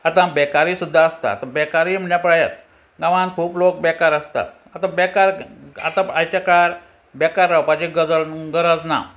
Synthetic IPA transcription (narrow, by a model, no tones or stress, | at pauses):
at̪ãbɛkaɾiːsud̪ʱːaəst̪a̰ːt̪ãbɛkaɾiːm̤əɳjapɾajət̪ | ɡaʋãnkʰuːplok̚bɛkaɾəst̪a̰t̪ | at̪ãbɛkaɾa̰t̪ãajt͡ɕakaɾ | bɛkaɾːawpad͡ʑiɡəɡəɾəd͡zna̰